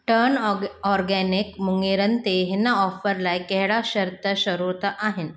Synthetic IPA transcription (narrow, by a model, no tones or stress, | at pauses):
ʈəɾnɔɾɡɛnikmuŋɡiɾənt̪eɦinːaɔfəɾlajkɛɦɽaɕəɾt̪əɕəɾuɾt̪aʔaɦen